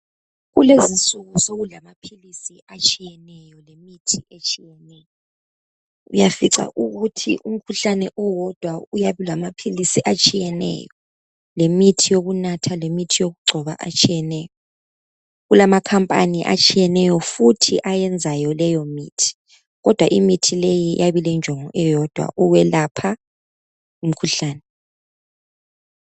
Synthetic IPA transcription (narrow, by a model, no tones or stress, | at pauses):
ɣulezinsʼuɣusoɣulamapʰilisiat͡ʃʼijɛnɛjɔlemitʰiʔet͡ʃʰʼijɛnɛjɔ | ṵjafiǀa̰ʔuɣutʰḭʔum̩kʰuɬanɛʔɔwɔd̥ʱwaujaβulamapʰilisiʔat͡ʃʼijɛnɛ̰jɔ | lemitʰijoɣunatʰalemitʰijoɣuɡ͡ǀʱɔβa̰ʔa̰t͡ʃʼijɛnɛːjɔ | ɣulamakʰampʼaniʔa̰t͡ʃʼijɛnɛjɔfutʰiʔajɛnd͡zʱajɔlɛjɔmiːtʰi̥ | ɣɔd̥ʱwaʔimitʰilejijʔaβilɛnd͡ʒʱɔŋɔʔɛjɔd̥ʱwa̰ʔuwɛlapʰa | um̩kʰuɬaːnɛ